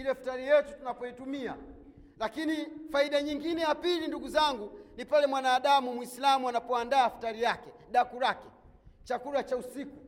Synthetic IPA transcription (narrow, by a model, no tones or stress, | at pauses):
ilɛftaɾijɛtutunapɔitumia̰ | lakinifaiɗaɲiŋɡinɛjapilinduɡuzaŋɡunipalɛmwanaːɗamumwislamuanapɔandaːftaɾijakɛɗakuɾakɛ̥ | t͡ʃakuɾat͡ʃausiku